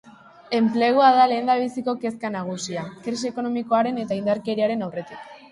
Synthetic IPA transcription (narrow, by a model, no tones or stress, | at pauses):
e̞mple̞ɣ̞oaðale̞ːnd̪aβ̞isiko̞ke̞skanaɣ̞usiakɾisieko̞no̞miko̞aɾe̞ne̞t̪aind̪aɾke̞ɾiaɾe̞nawre̞t̪ik